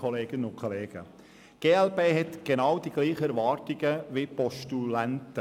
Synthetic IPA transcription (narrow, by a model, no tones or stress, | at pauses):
ɔleːɡ̥ənəʊnkʰɔleːɡ̥ə | ɡ̥eːɛlpeːɦɛtɡ̥enɑwdiɡ̥liːχəɛɾvɑːɾtɪɡ̥əʋipɔʃtulæntə